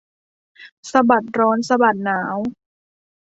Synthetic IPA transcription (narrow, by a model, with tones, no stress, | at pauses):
sa˧ba˨˩t̪̚ɾɔː˦˥nsa˧ba˨˩t̪̚naː˩˦w